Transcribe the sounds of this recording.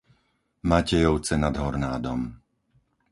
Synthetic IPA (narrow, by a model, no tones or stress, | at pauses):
macɛjɔʊt͡sɛnad̪ɦɔɾnaːd̪ɔm